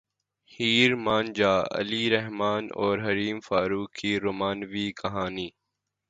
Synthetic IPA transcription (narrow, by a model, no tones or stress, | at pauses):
hiːɾmaːnd͡ʒaːɐ̰liɾɛɦmaːnɔːɾɦɐɾiːmfaːɾuːkʰːiːɾoːmaːnʋiːkɐɦaːniː